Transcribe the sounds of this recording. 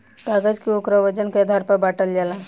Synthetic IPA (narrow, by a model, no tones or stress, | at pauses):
t̪aɡəd͡ʒkiukɾəʋəd͡ʑənked̪ʱaɾpabaʈəld͡ʑala